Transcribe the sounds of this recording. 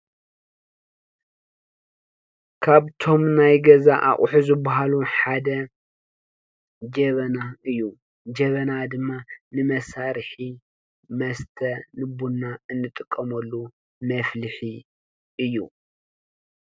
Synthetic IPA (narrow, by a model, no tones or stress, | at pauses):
kʰaβt̪ʰo̞mnajɡɐzaʔa̰χʼħuzɨbːaɦaluħad̪ɐ | d͡ʒɐβɐnaɨjːu | d͡ʒɐβɐnad̪ɨmːanɨmɐsaɾħi | mɐst̪ʰɐnɨbunːaɨnːɨt̪ʼɨkʼːɐmɐlːu | mɐflɨħi | ʔɨjːu